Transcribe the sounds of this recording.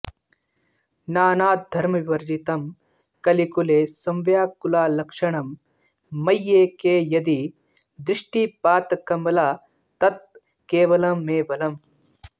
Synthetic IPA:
naːnaːt̪̚d̪ʱɐɾmɐʋiʋɐɾd͡ʒit̪ɐm | kɐlikuleːsɐmʋjaːkːulaːlɐkʂɐɳɐmː | ɐjːeːkeːjɐd̪i | d̪ɾiʂʈipaːt̪ɐkɐmɐlaː | t̪ɐt̪̚ | keːʋɐlɐmːeːʋɐlɐm

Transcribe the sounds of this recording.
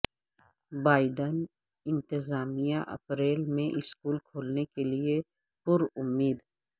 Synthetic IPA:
baːɪɖən | ɪ̃nt̪ɪzaːmijãʔɐ̰pɾeːlmẽʔɪskuːlkʰoːlnekelie | pʊɾʊmːiːd̪ɛ

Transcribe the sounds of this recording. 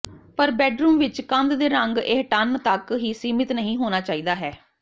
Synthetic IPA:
pəɾbɛːɖɾuːmʋɪt͡ʃkə̃nd̪d̪eːɾəŋɡeɦʈənt̪əkɦiːsiːmɪt̪nəɦĩːɦoːnaːt͡ʃaːiːd̪aːɦɛː

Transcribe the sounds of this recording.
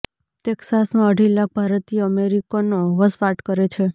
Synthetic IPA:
t̪eksasmãəɖʱilak̚ʰbʱaɾət̪iəmeɾikanoʋəsʋaʈkəɾet͡ʃʰe

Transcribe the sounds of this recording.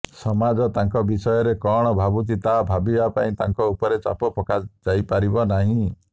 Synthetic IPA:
sɔmad͡ʒɔt̪aŋkɔbisɔjɔɾekɔɽ̃ɔbʱabut̪̬it̪abʱabibapaĩt̪a̰ŋkɔupɔɾet͡ʃa̰pɔpɔkad͡ʒajpaɾibɔnaɦĩ

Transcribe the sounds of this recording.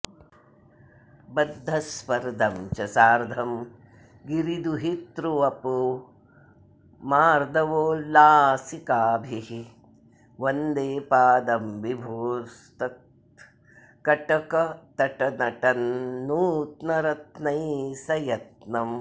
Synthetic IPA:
bɐd̪ʱːɐspɐɾd̪ʱɐmt͡ʃɐsaːɾd̪ʱɐm | ɡiɾid̪uɦit̪ɾuʋɐpu | maːɾd̪ɐʋoːlaːsikaːbʱiɦi | ʋɐnd̪eːpaːd̪ɐmʋibʱoːst̪ɐ | kɐʈɐkɐt̪ɐʈɐnɐʈɐnːuːt̪nɐɾɐt̪nɐjsɐjɐt̪nɐm

